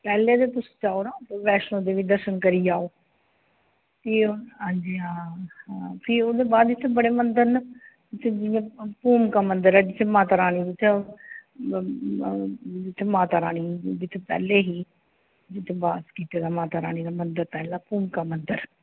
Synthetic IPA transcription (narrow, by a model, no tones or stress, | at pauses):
pɛːleːt̪eːt̪ʊsi̥ːt͡ʃaːoːnaːt̪eʋɛːʃnoːd̪eːʋiːd̪əɾʃənkəɾiːaːoː | t̪eːɦãːd͡ʒiːaːapʰɪoːd̪eːbaːd̪d͡ʒɪt̪ʰːeːbəɽeːmənd̪əɾn | d͡ʒɪt̪ʰːed͡ʒɪʋẽːpuːmkaːmənd̪əɾɛːd͡ʒɪt̪ʰːeːmaːt̪aːɾaːniːd͡ʒɪt̪ʰːe | d͡ʒɪt̪ʰːeːmaːt̪aːɾaːniːd͡ʒɪt̪ʰːeːpɛ̰ːleːɦiː | d͡ʒɪt̪ʰːẽːbaːskiːt̪eːd̪aːmaːt̪aːɾa̰ːñiːd̪aːmənd̪əɾt̪ɛːlaːpuːmkaːmənd̪əɾ